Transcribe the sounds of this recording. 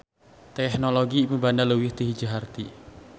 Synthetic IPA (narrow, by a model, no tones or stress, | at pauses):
t̪ɛhnoloɡiːmubanaləwɪhd̪̥iɦi̥d͡ʒaɦart̪i